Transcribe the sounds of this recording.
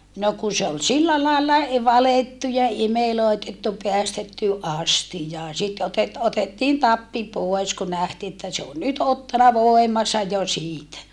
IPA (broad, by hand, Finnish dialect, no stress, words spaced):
no ku se ol silːæ lɑˑelːɑ e ʋɑletːu imeloˑetetːu peæstetːy ʔɑstijɑː sit otet otetːiːn tɑpːi poes ku næhtiː etːæ se on nyt otːɑnɑ ʋoˑemɑnsɑ jo siːtæ